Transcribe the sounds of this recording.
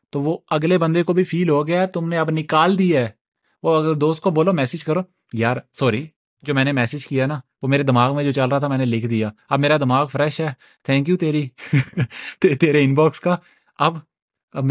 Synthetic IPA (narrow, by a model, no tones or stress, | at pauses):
t̪oːʋoːɐɡlebə̃nd̪ekobʱipʰiːlɦoːɡɪjaɛt̪ʊmneɐbnɪkaːld̪ijaɛː | ʋoːɐɡəɾd̪oːst̪̚koboːlomɛːsɪd͡ʒkəɾoː | jaːɾsɔːɾiː | d͡ʒoːmɛ̃ːnemɛːsɪd͡ʒkijaɦɛnaːʋoːmeːɾed̪ɪmaːɡmẽd͡ʒoːt͡ʃəlɾəaːt̪ʰamɛ̃ːnelɪkʰd̪ijaːɐbmeːɾad̪ɪmaːɡfʰɾɛʃɦɛː | t̪ʰɛ̃ːŋk̬juːt̪eːɾiː | t̪ːt̪eːɾeɪ̃nbɔːkskaː | ɐb